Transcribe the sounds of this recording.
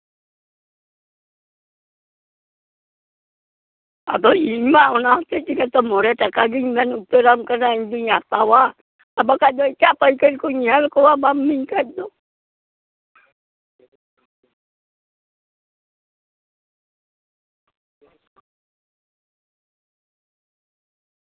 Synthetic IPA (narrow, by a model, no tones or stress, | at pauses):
a̰d̪oimaunat̪et͡ʃikat̪ɔmɔɾɛtakaɡiŋmanupeɾamkanaiɲduɲat̪awa | abakad͡ʒɔit͡ʃapaikəɾkuɲialkɔwabamːiɲkad͡ʒɔ